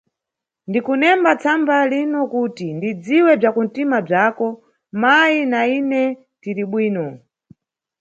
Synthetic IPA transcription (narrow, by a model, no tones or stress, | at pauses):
ndikunɛmbat͡sʰambalinɔkutindid͡ziwɛb͡ʐakun̩timab͡ʐakɔ | majinainɛ | tiɾiɓwiːnɔ